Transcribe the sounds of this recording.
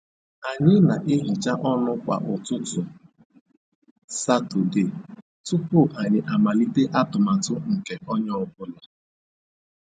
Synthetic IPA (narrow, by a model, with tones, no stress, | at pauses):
a˨ɲɪ˦na˨ʔe˦ɦi˨t͡ʃa˦ʔɔ˦nʊ˦kʷa̰˨ʔʊ˨tʊ˦tʊ˨ | sa˦tʊ˨de˨ | tʊ˦pʊ˦˨ʔa˨ɲɪ˨ʔa˨ma˨li˦te˦ʔa˦tʊ˨ma˨tʊ˦ŋ̩˨ke˨ʔɔ˦ɲ˦ɔ˦bʊ˦la˨